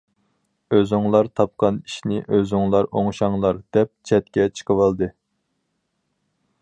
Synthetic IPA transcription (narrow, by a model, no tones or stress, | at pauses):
øzuŋlˠɑɾt̪ʰɑp̚qʰɑni̥ʃnɪʔøzʊŋlˠɑɾoŋʃɑŋlˠɑɾd̪̥ɛp̚t͡ʃʰɛt̪̚kʲɛt͡ʃʰə̥qʰəwɑlˠd̪ɨ